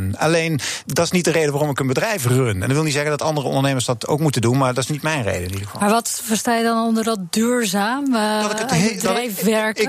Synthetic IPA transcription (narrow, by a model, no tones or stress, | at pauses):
na̰lejndɑtɪ̥snit̚dərejdəʋaɾɔmɪkənbədrɛjfrønɛ̰nɪkʋɪlˠnitzɛχəndɑtɑndərəɔ̰ndəɹnejməɹsdɑto̰wkmutəndunmaːɹdɑtɪsnitmɛjnrḛjdəɪnidəχəfmaːɹʋɔtfəɹstaːjədɔnɔndəɹdɔtdyːɹzaːm | ddɛjfʋɛɹk